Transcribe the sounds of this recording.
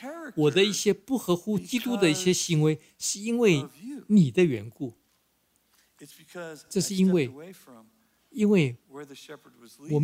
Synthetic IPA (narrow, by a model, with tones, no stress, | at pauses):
wɔ˨˩d̪ə˦i˥˩ɕjɛ˥pu˥˩xɤ˧˥xu˥t͡ɕi˥t̪u˥d̪ə˨i˥˩ɕjɛ˥ɕi˧˥ŋwe˧˥ɪ | ʂɻ̩˥˧i˥nwe˥˩ɪni˨˩d̪ə˦ɥɛ̰˧˥nku˥˩ | ʈ͡ʂɤ˥˧ʂɻ̩˥˩i˥nwe˥˩ɪ | i˥nwe˥˩ɪ | wɔ˨˩m